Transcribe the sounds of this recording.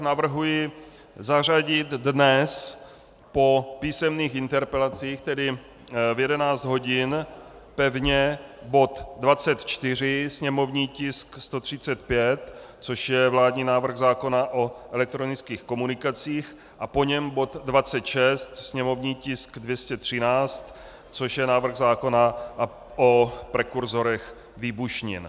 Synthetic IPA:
navr̩ɦujɪ | zar̝aɟɪt̪dnɛs | po̞piːsɛmniːxʔɪnt̪ɛɾpɛlat͡siːxt̪ɛdɪ | vjɛdɛnaːt͡sd̪ɦo̞ɟɪn | pɛvɲɛbo̞t̪dvat͡sɛt̪t͡ʃt̪ɪr̝ɪsɲɛmo̞vɲiːcɪskst̪o̞t̪r̝̥ɪt͡sɛt̪pjɛt̪ | t͡so̞ʃjɛvlaːd̪ɲiːnaːvr̩ɣzaːko̞naʔo̞ʔɛlɛk̚t̪ɾo̞nɪt͡skiːxko̞munɪkat͡siːx | ʔapo̞ɲɛmbo̞t̪dvat͡sɛt̪ʃɛst̪sɲɛmo̞vɲiːcɪskdvjɛscɛt̪r̝̥ɪnaːt͡st̪ | t͡so̞ʃjɛnaːvr̩ɣzaːko̞na | ʔopɾɛkuɾzo̞ɾɛx | viːbuʃɲɪ̰n

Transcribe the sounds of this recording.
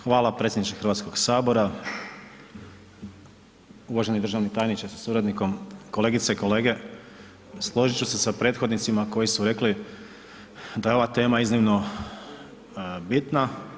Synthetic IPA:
xʋaːlapɾe̞t̪sjed̪nit͡ʃexr̩ɾʋat̪sko̞ɡsaːbo̞ɾa | uʋaʒe̞nid̪r̩ʒaʋnit̪ajnit͡ʃasasuɾad̪niko̞mko̞le̞ɡit̪seiko̞le̞ːɡe̞ | slˠo̞ʒit͡ɕuse̞sapɾe̞ːt̪xo̞d̪nit̪simako̞jisuɾe̞kli | d̪ajeo̞ʋat̪e̞ːmaiznimno̞ | bit̪na

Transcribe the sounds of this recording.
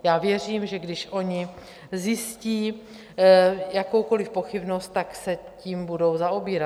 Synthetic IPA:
jaːvjɛr̝iːmʒɛɡdɪʃʔo̞ɲɪ | zjɪsciː | jako̞wko̞lɪfpo̞xɪbno̞st̪̚t̪ːaksɛciːmbudo̞wzaʔobiːɾa

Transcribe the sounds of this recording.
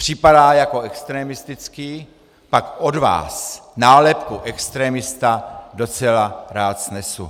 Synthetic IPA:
pr̝̥ɪpadaːjako̞ɛkst̪ɾɛːmɪst̪ɪt͡skiː | pakodva̰ːsnaːlɛpkuʔɛkst̪ɾɛːmɪst̪ado̞t͡sɛlaɾaːt̪z̥nɛsṵ

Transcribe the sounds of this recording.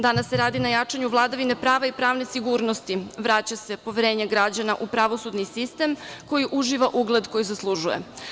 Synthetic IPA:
d̪anasːe̞ɾaːd̪inajat͡ʂaɲuʋlˠad̪aʋine̞pɾaːʋaipɾaːʋne̞siɡuːɾnost̪iʋɾat͡ɕase̞po̞ʋeɾe̞ːɲeɡɾad͡ʑanaʔupɾaʋo̞sud̪nisist̪e̞mko̞jiʔuʒiʋaʔuɡlˠe̞d̪ko̞jizaslˠuʒuje̞̰

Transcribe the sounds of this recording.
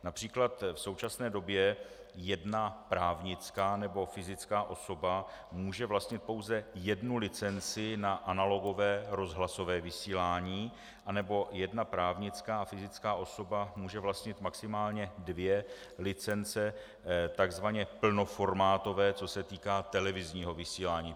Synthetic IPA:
napr̝̥iːklat̪fso̞wt͡ʃasnɛːdo̞bjɛ | jɛdnapɾaːvɲɪt͡skaːnɛbo̞fɪzɪt͡skaːʔo̞so̞bamuːʒɛvlast̪ɲɪt̪̚po̞wzɛjɛdnulɪt͡sɛnt͡sɪnaʔanalo̞ɡo̞vɛːɾo̞zɦlaso̞vɛːvɪsiːlaːɲiː | ʔanɛbo̞jɛdnapɾaːvɲɪt͡skaːafɪzɪt͡skaːʔo̞so̞bamuːʒɛvlast̪ɲɪt̪maksɪmaːlɲɛdvjɛ | lɪt͡sɛnt͡sɛ | t̪aɡzvaɲɛpl̩no̞fo̞ɾmaːt̪o̞vɛːt͡sosɛt̪iːkaːt̪ɛlɛvɪzɲiːɦo̞vɪsiːlaːɲiː

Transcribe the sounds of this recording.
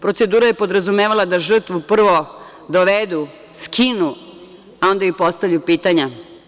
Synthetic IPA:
pɾo̞t̪se̞d̪uːɾaje̞po̞d̪ɾazumeːʋalˠad̪aʒr̩t̪ʋupr̩ʋo | d̪oʋed̪u | skʰinu | ao̞nd̪aipo̞st̪avʎupiːt̪aɲa

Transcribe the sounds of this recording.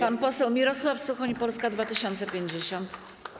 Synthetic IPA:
panpɔsɛwmʲiɾɔswafsuxɔɲpɔlskad̪vat̪ɘɕɔnt̪sɛpʲjeɲd͡ʑeɕɔnt̪

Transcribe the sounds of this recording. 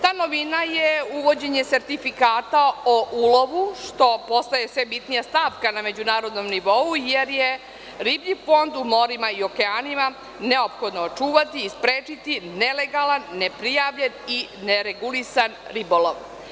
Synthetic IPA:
t̪aːno̞ʋinajeuʋo̞d͡ʑe̞ɲe̞tse̞ɾt̪ifikaːt̪aoʔulo̞ʋuʃt̪o̞po̞st̪aje̞sʋe̞bit̪nijast̪aːʋkaname̞d͡ʑunaːɾo̞d̪no̞mniʋo̞uje̞ɾje | ɾibʎifo̞nd̪umo̞ɾimaio̞ke̞aːnima | ne̞opxo̞d̪noːt͡ʃuːʋat̪iːspɾeːt͡ʃit̪ine̞le̞ɡalanːe̞pɾijaːʋʎe̞nineɾeɡulisanɾiboloʋ

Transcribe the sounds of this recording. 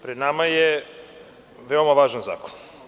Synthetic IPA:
pɾed̪namaje | ʋeo̞maʋaːʒanza̰ːko̥n

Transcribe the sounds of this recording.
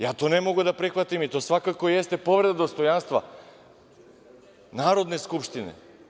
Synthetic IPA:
jat̪onɛmoɡud̪apɾɛxvat̪imit̪osvakakojɛst̪ɛpovɾɛd̪ad̪ost̪ojanst̪va̰ | naɾod̪nɛskupʃt̪inɛ̰

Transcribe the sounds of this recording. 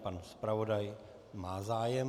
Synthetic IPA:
panspɾavodaj | maːzaːjɛm

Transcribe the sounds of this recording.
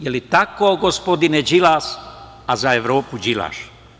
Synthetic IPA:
jelit̪akoɡospod̪ined͡ʒilaːs | azaeʋɾoːpud͡ʒila̰ːʃ

